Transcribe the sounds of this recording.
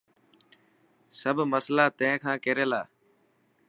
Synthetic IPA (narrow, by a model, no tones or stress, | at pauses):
səbʱməslaːt̪ə̃ɪ̃ːkʰãːkeːɾeːlaː